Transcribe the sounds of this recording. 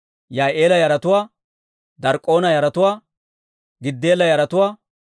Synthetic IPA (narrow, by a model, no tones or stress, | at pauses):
jaːʔe̞ːlɐjɐɾɐt̪ʊwaː | d̪ɐɾkʼːo̞ːnɐjɐɾɐt̪ʊwaː | ɡɪd̪ːeːlɐjɐɾɐt̪ʊwaː